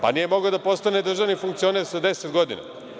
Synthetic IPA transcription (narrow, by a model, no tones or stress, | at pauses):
pa̰nijemo̞ɡod̪apo̞st̪ane̞d̪r̩ʒaʋnifuŋk̚t̪io̞ne̞ɾsad̪e̞set̪ɡo̞d̪ḭna̰